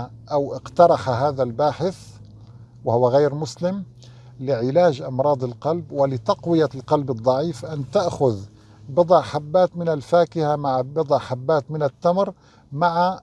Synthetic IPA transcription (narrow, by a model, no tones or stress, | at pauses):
ʔawʔɪqt̪ɑɾˤɑħɦaːðalbaːħɪθ | wɪhʊwːaɣaːɾmʊslɪm | lɪʕɪlaːʒʔɑmɾˤɑːd̪ˤɪlqɑlbwɪlɪt̪ɑqwɪjalqɑlbɨd̪ˤːɑʕiːfʔant̪aʔxʊð | bɨd̪ˤɑʕħabːaːt̪mɪnalfaːkɪhamaʕbɨd̪ˤɑʕħabːaːt̪mɪnat̪ːamɾ | maʕa